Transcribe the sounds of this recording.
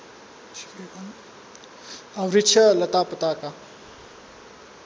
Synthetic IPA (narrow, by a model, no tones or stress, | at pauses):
awɾit͡ʃʰɐlɐt̪apət̪aka